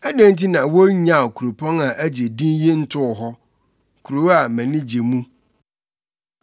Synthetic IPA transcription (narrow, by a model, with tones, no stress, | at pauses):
æ˦dæ̃˦n˦tʰi˦nã˨wo˦ɲã˨kʰu˨ɾo˨pʰɔ̃˦na˨ʔæ˦d͡ʑe˨dĩ˦nji˦n̩˦tʰʊ˦˨ɦɔ˦ | kʰu˨ɾo˨˦a˨mɛ̃˨nɪ̃˦d͡ʑe˨mũ˦